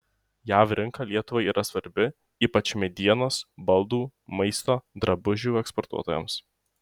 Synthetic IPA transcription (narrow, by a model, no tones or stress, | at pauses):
jæːʋɾʲɪŋkɐːlʲiɛt̪ʊʋɐɪiːɾʔɐsʋɐɾʲbʲɪ | iːpɐt͡ʃʲmʲɛd̪ʲiɛnoːsbɐlˠd̪uːmɐɪst̪oːd̪ɾɐbʊʒʲuːɛkspɔɾt̪ṵɔt̪oːjɛ̰ms